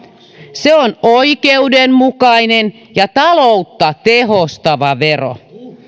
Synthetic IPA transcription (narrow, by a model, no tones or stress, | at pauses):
seonoikeudemmukɑinen | jɑt̪ɑlout̪ːɑt̪eɦost̪ɑʋɑʋero̰